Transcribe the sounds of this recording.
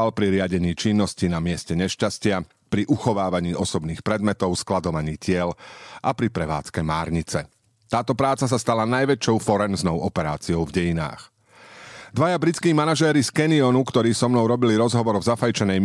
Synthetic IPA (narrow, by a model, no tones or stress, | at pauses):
alpɾiɾɪaɟɛɲiːt͡ʃinːɔscinamɪɛscɛɲɛʃcascɪa | pɾiʔuxɔʋaːʋaɲiːʔɔsɔbniːxpɾɛd̪mɛt̪ɔʊsklad̪ɔʋaɲiːcɪɛlʔapɾipɾɛʋa̰ːt͡skɛmaːɾɲit͡sɛ | t̪aːt̪ɔpɾaːt͡sas̬ast̪alanajʋɛt͡ʃɔʊfɔɾɛnznɔʊʔɔpɛɾaːt͡siɔʊvɟɛjina̰ːx | d̪ʋajabɾit͡skiːmanaʒɛːɾiskɛniɔnukt̪ɔɾiːsɔmnɔʊɾɔbiliɾɔzɦɔʋɔɾvzafajt͡ʃɛnɛj